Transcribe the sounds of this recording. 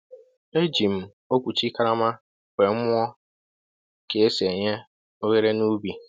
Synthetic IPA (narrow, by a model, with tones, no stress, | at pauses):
e˦d͡ʒi˨m̩˨ | o˦kʷu˨t͡ʃi˦ka˦ɾa˦ma˦ | kʷe˨ŋ̩˦mʷ˦ɔ˦ | ke˨e˦se˨ɲe˦ | o˦ɣe˦ɾe˦nu˦bi˨